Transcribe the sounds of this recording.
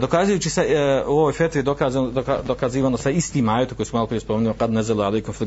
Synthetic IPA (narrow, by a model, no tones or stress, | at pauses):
d̪o̞kazujuːt͡ʃiseuo̞ʋojfet̪ɾid̪okazakad̪okaziːʋaːnosaist̪iːmaːjet̪kojsumalopɾijespomeɲʲiqɑd̪nazalalejkumfi